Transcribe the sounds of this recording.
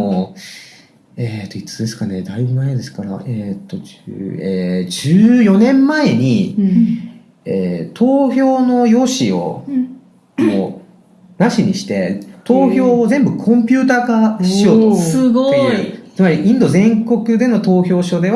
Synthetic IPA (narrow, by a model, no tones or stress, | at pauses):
o | et̪ːoit͡sɨ̥d̪e̞sɨ̥kane̞d̪aibɯmaed̪e̞sɨ̥kaɾa̰ʔeːt̪ːo̞d͡ʑeːd͡ʑɨːjo̞nẽ̞mːae̞ɲ̟i | eːt̪ʰo̞ːçʲo̞ːno̞jo̞ːɕio̞̰ | mo | naɕiɲ̟iɕi̥t̪e̞t̪o̞ːçʲo̞ːzẽ̞mbɯ̟kʰõ̞mpʲɨ̟ːt̪aːɡaɕio̞ːt̪oɨɡ̪eɯit͡sɨmaɾʲiʔĩnd̪o̞zẽ̞ŋko̞kɯ̟d̪e̞no̞t̪o̞ːçʲo̞ːɕo̞d̪e̞β